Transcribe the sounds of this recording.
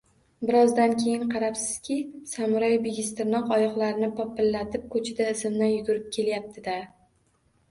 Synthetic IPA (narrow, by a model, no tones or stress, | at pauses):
bɪɾɒzd̪ankʲʰe̞jɪnqʰɑɾapsɪ̥z̥kʲʰɪsamʊɾajbeɡʲɪst̪ɪɾnɒqɒjɒqlˠaɾɪnɪpʰɒpːɪlːat̪ʰɪp̚kʰɵt͡ʃʰɪd̪aɪsɪmd̪anjʊd̪ʊɾɪp̚kʲʰe̞ljap̚t̪ʰɪd̪a